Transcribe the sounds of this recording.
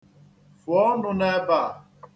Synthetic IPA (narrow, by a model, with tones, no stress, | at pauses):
fɔ˨˦nu˦nɛ˦ba˨